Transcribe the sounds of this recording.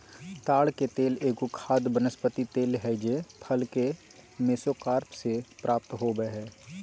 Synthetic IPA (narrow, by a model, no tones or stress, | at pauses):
t̪aːɽket̪eːleːɡukʰaːd̪bənəspət̪it̪eːlɦɛd͡ʒepʰɐlke | meːsokaːɾpsepɾʔaːp̚t̪ɦoːbəɦɛː